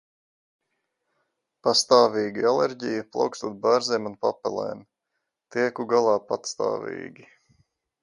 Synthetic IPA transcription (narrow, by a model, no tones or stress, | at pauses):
past̪aːviːɡialɛɾɟijaplˠa̰wkst̪uːd̪̚baːɾzɛːmunpapɛlˠɛ̰ːm | t̪iɛkuɡalˠɑːpat̪st̪a̰ːvḭːɡʲi